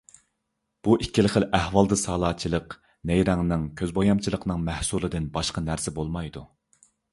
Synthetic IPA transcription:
b̥uʔikʲːilɪχəlʔæhwɑlˠd̪ɨsɑːlˠɑːt͡ʃʰilˠəq | nɛjɾɛŋnɨŋkʲʰøzbojɑmt͡ʃʰilˠəqnɨŋmæhsulˠɨd̪ɨnbɑʃqɑnæɾsɪbolˠmɑjd̪u

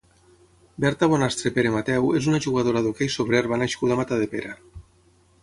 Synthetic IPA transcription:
bɛɾt̪aβonast̪ɾepeɾemat̪ɛwezunaʒuɣ̞að̞oɾaðokejsoβɾeɾβanaʃkuðamat̪aðepeɾa

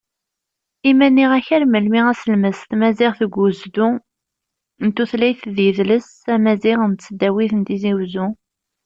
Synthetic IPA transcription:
imænːiʁæçæɾməlmiʁæsəlməst̪mæziʁθəɡʷːʊzd̪u | ənt̪ːuθlæjθðjəðləs | æmæziʁənt̪t͡sːəd̪ːæwiθənt̪iziwzu

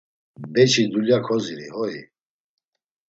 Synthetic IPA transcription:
bɛt͡ʃʰid̪uljakʰɔziɾḭhɔi

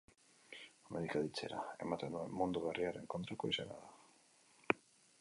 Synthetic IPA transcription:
meðikaðit͡se̞̰ɾae̞̰mat̪end̪ue̞mːund̪uɣariaɾe̞ŋko̞nt̪ɾako̞isena̰ða

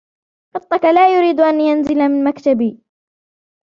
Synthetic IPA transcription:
qɑt̪ˤːɑkalaːjʊɾiːd̪ʔanjanzɪlamɪnmakt̪abiː

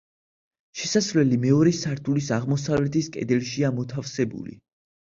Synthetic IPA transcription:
ʃɛsasvlɛlimɛɔɾɛsaɾt̪ʰulisaʁmɔsavlɛt̪ʰiskʼɛ̰d̪ɛlʃiamɔt̪ʰafsɛbṵlḭ

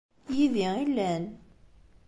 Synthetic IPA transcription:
jiðiilːæn

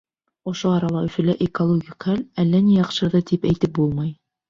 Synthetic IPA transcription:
ŏʃoɑɾɑlˠɑɵ̆fɵ̆læʔekolˠoɡʲikχælælːænijɑqʃɤɾðɑt̪ipæjt̪ɘp̚bulˠmɑj

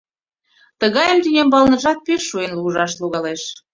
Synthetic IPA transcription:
t̪əɣɑjəmt̪inʲembɑlnə̆ʒɑt̪̚peʃːuenluʒɑʃluɣɑleʃ

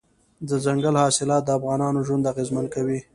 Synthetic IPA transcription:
d̪əzaŋɡalhɑsɪlɑt̪̚d̪əafɣɑnɑnoʒwʊnd̪aɣezmankawi

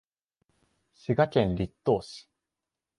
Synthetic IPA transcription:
ɕɨɡakẽ̞nɾʲit̪ːo̞ːsɨ̥

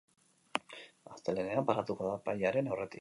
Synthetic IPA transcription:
ast̪ele̞ne̞ampaɾat̪ukoðapajaɾe̞nawre̞t̪ik

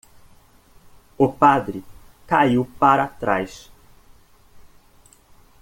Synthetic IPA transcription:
ʊpad̪ɾɪkaiwpaɾat̪ɾajs

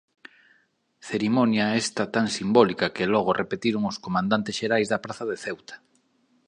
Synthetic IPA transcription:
θeɾimɔnjaest̪at̪aŋsimbɔlikakelɔɣ̞orʔepet̪iɾoŋoskomãnd̪ant̪esʃeɾajzðɐpɾaθaðeθewt̪ḁ

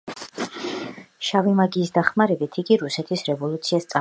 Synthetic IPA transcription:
ʃavimaɡiːsd̪aχmaɾɛbit̪ʰiɡiɾusɛt̪ʰisɾɛvɔlˠut̪sʰiast̪sʼa

